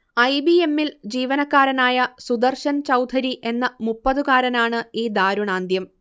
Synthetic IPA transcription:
ɐjbie̞mːild͡ʑiːʋɐnɐkːaːɾɐnaːjɐsud̪ɐrɕɐnt͡ɕɐwd̪ʰʱɐɾiʔe̞nːɐmupːɐðukaːɾɐnaːɳɨiːd̪aːɾuɳaːnd̪ʱjɐm

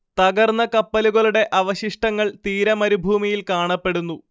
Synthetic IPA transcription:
t̪ɐɡɐrnːɐkɐpːɐluɣɐɭuɽe̞ʔɐʋɐɕiʂʈɐŋːɐɭt̪iːɾɐmɐɾubʱuːmijilkaːɳɐpːe̞ɽunːu

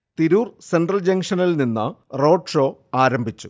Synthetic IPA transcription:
t̪iɾuːrsenɖrɐld͡ʑɐŋʂɐnilninːɐ̰ro̞ːʈʂo̞ːaːɾɐmbʱit͡ɕːu

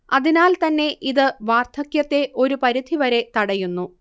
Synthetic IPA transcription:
ɐðinaːlt̪ɐnːe̞ʔiðɨʋaːrt̪ʰɐkjɐt̪ːe̞ʔo̞ɾupɐɾid̪ʱiʋɐɾe̞t̪ɐɽɐjunːu

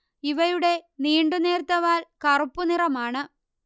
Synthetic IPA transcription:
iʋɐjuɽe̞niːɳɖune̞ːɾt̪ːɐʋaːlkɐrupːunirɐmaːɳɨ

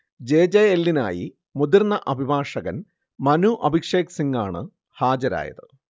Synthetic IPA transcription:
d͡ʑe̞ːd͡ʑeelːina̰ːji | mud̪irnːɐʔɐbʱibʱaːʂɐɣɐn | mɐnuʔɐbʱikʂe̞ːksiŋɡaːɳɨ | haːd͡ʑɐɾa̰ːjɐ̰ðɨ

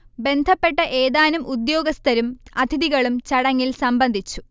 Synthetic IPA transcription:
be̞nd̪ʱɐpːe̞ʈːɐʔeːðaːnumud̪jo̞ːɡɐst̪ʰɐɾumɐd̪ʱiðiɣɐɭumt͡ɕɐɽɐŋːilsɐmbɐnd̪ʱit͡ɕːu

